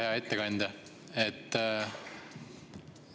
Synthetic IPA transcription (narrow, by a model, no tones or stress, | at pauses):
eɑe̞t̪ːekɑnʲd̪̥ɑ | et̪ː